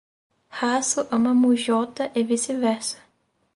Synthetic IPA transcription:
hasʊʔəmɐmuʒɔt̪ɐʔevisɪvɛɾsɐ̥

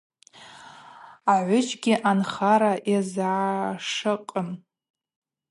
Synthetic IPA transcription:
aʕʷʊd͡ʒɡʲɪʔanχaɾaʔazʕaʂɨqʼəm

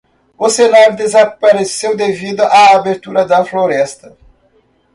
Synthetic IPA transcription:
ʊsenaɾʊd̪ezapaɾesewd̪evid̪ʊʔaːbeɾt̪uɾɐd̪ɐfloɾɛst̪ɐ

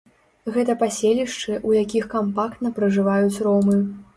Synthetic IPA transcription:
ɣɛt̪ɐpasʲelʲiʂt͡ʂɨʔujakʲixkampakt̪nɐpɾɐʐɨvajut͡sʲrɔmɨ

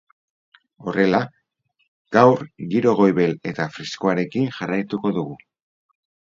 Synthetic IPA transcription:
o̞re̞la | ɡ̥awɾɣiɾo̞ɣ̞o̞jβe̞le̞t̪afɾiskoaɾe̞kiŋʝarajt̪uko̞ðuɣu

